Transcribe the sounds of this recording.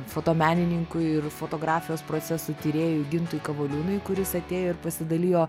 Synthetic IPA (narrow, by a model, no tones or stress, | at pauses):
foːt̪oːmʲæːnʲɪnʲɪŋkʊɪɪrfoːt̪oːɡɾɑːfʲɪjoːspɾoːt͡s̪ʲɛsuːt̪ʲiːɾʲeːjʊɡʲɪnt̪ʊjkɐʋoːlʲuːnɐɪkʊɾʲɪsɐt̪ʲeːjoːɪɾpɐsʲɪd̪ɐlʲiːjoː